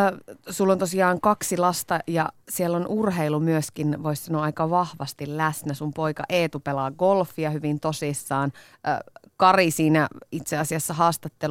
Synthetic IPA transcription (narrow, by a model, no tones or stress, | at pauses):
sulːont̪osiɑːŋkɑksilɑst̪ɑjɑ̰sielːonʔurɦeilumyøskinʋoissɑnoɑɑikɑʋɑhʋɑst̪illæsnæsumpoikɑ̰ʔeːt̪upelɑɡolfːiɑhyʋint̪osisːɑːn̰ | kɑrisiːnæit̪seɑsiɑsːɑɦɑːst̪ɑt̪ːel